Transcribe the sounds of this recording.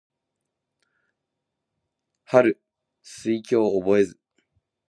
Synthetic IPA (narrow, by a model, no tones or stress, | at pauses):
haɾɯ̟ | sɨikʲo̞ːobo̞e̞zɨ